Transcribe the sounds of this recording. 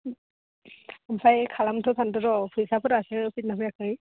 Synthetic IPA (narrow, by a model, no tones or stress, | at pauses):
amsʰajkʰalamtʰɯpʰantɯɾɔpʰɯjsapʰɯɾasɯpʰit̚napɯjakʰɯj